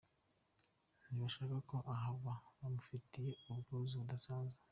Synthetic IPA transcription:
niβaʃaːkako̞ʔaɦaβaβamufitije̞ubɡuːziudasaːnze̥

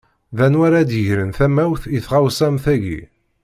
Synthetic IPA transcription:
ðænwæɾæd̪əʝɾənθæmæwθiθʁawsæmθæʝḭ

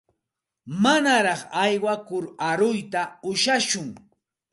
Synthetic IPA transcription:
manaɾɑχajwakʊɾaɾʊjt̪aʊʃaʃʊŋ

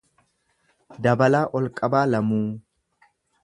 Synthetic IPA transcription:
d̪ɐbɐlaːʔɔlkʼɐbaːlɐmuː

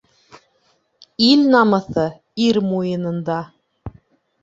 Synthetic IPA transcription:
ilnɑmɤ̆θɤ | iɾmujɤ̆nɤ̆nd̪ɑ

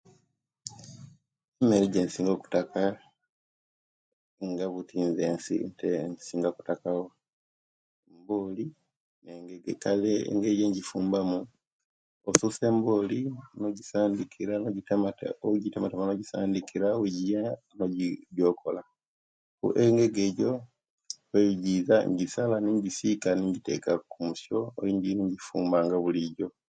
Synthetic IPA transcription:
emeɾeɟensiːŋɡoku̥taka | ŋɡaβutʰiːnzeːnsḭntensiːŋɡaku̥takao | embo̞ːli | neŋɡeɡekalḛŋɡeɟeɲɟifuːmbamu | osuse̞ːmbo̞ːlinoɟisaːndikʰiɾanoɟitamatoɟitamatamanoɟisaːndikʰiɾaweɟija | noɟɟoːkʰola | ṵʔeŋɡe̞ɡeːɟo | weiɟizaɲɟisalaniɲɟisikaniɲɟitḛkakumusoo̰iɲɟiniɲɟifuːmbaŋɡaβuliɟo̞

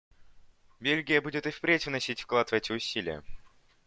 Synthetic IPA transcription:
bʲelʲɡʲɪjəbudʲɪt̪ɨfpɾʲetʲvnɐsʲitʲfklˠat̪vɛtʲɪʊsʲilʲɪjə̰

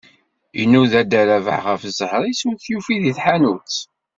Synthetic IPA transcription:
jənːuðæd̪æɾæva̰ʕʁəfzəhɾˤisuθjufiðiθħanut͡sː

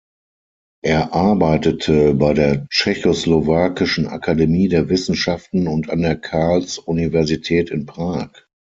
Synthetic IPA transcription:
ʔeːɐʔaɐbaɪtətʰəbaɪdeːɐt͡ʃɛçoslovaːkɪʃn̩a̰kʰademiːdeːɐvɪsn̩ʃaftn̩ʊnta̰ndeːɐkʰaɐlsʔunivɛɐzitʰɛːtɪnpʁ̥aːk

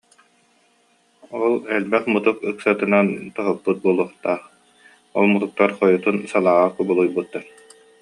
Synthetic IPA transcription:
ɔlˠɛlbɛχmut̪ukɯksat̪ɯnant̪ɔɦɔpːut̪̚buɔlˠuɔχt̪aːχ | ɔlˠmut̪uk̚t̪aɾχɔjut̪unsalˠaːʁakubulˠujbut̪ːaɾ

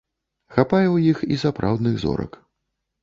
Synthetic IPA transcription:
xapajɛwjixḭsapɾʔa̰wd̪nɨɣzɔ̰ɾɐ̰k

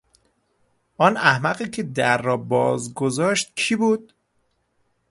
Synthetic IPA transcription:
ʔɒːnæhmæɢiːcʰed̪æɾːɒːbɒːzɡozɒːʃt̪̚cʰiːbuːd̪̥̚

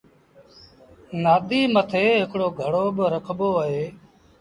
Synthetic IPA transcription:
naːɗ̪iːmət̪ʰeːɦɪkɽoːɡʱəɽoːɓəɾəkʰɓoːəɦeː

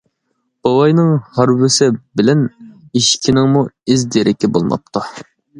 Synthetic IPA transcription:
b̥ɑwɑjnɨŋhɑɾwɪsɪbɪlɛniʃkʲʰinɪŋmuɪzd̪eɾʔɪkʲʰɪbo̰lˠmɑ̰p̚t̪ʰu

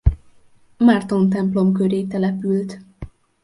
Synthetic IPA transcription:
mart̪o̞nt̪ɛmplo̞mkøɾeːt̪ɛlɛpylt̪

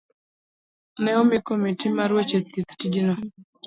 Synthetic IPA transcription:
nɛɔmikomitimaɾwot͡ʃet̪it̪tid͡ʒino

